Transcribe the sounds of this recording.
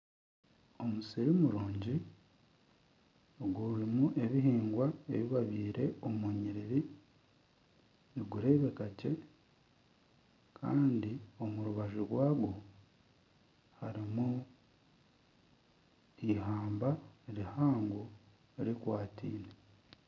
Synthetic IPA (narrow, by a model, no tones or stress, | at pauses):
o̞musiɾimuɾuːɲɟi | ɡuɾimuʔe̞βiɦiːŋɡwae̞̰βiβaβiːɾe̞omuɲiɾiɾi | niɡuɾe̞ːβe̞kace̞ | kʰa̰ːndio̞muɾuβaʒuɾwaːɡwo | haɾimu | iɦaːmbaeɾihaːŋɡo | eɾikwaːtʰḭːne